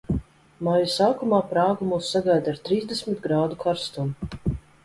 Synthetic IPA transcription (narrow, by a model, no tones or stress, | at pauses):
majusaːkumaːpɾaːɡumuːsːaɡajd̪aɾt̪ɾiːzd̪esmʲit̪ɡɾaːd̪ukʰaɾst̪um